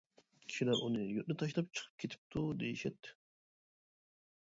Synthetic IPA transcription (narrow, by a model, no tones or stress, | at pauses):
kʲʰi̥ʃilæɾʔonɯjøʔ̪net̪ʰɑʃlˠɑp̚t͡ʃʰɯ̥qʰɯ̥p̚kʰet̪ʰi̥p̚t̪ʰud̪ejiʃet̪ːɪ̥